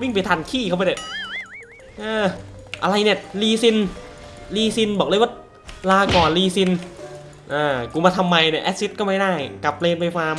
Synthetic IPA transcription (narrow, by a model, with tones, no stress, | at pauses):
wi˥˩ŋpa˨jt̪ʰaː˧˩nkʰiː˥˩kʰa˥˩pa˧da˨˩ | ʔɤː˧ʔa˧ɾa˧jni˥˩ɐliː˧si˧n | liː˧si˧nbɔː˨˩k̚lːwa˥˩ | laː˧kɔː˨˩nliː˧si˧n | ʔaː˧˩kuː˧˩maː˧t̪ʰa˧mːa˧jni˧˩ʔɛː˦˥si˦˥t̪̚kɔː˥˩ma˥˩daː˥˩jka˨˩p̚leː˧npa˧jkʰwaː˧m